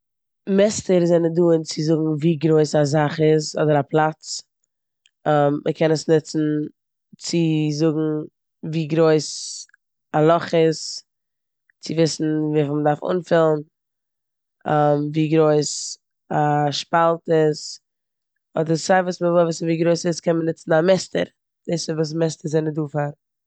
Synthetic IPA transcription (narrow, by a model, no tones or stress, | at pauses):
mɛstəɾzɛnəduːnt͡sɪzʊɡŋ̩viːɡɾoɪsazaχɪzɔdəɾaplˠat͡s | mʔəkʰɛnəsnɪt͡sn̩ | t͡sɪzʊɡŋ̩ | viːɡɾoɪs | alˠɔχɪs | t͡sɪvɪsn̩viːfmədaɾfʊ̰nfɪlˠn̩ | amviːɡɾoɪs | aʃpalˠtɪs | ɔdəɾsaɪvuːsməvvɪsviːɡɾoɪsɪskɛnmənɪt͡sn̩amɛstə̰ɾ | dɪsəvuːs̬mɛstəɾzɛɪnɪduːfaɾ